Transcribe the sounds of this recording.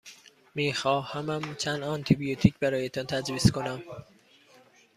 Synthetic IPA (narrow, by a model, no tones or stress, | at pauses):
miːxɒːhæmæmt͡ʃʰænd̪ɒnt̪ʰibijot̪ʰiːcʰbæɾɒːjet̪ʰɒnt̪ʰæd͡ʒviːskonæm